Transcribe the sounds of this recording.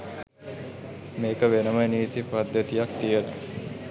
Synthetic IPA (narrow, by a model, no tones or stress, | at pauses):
meːkəʋenəməeniit̪ipad̪jət̪ijak̚t̪ijənə̰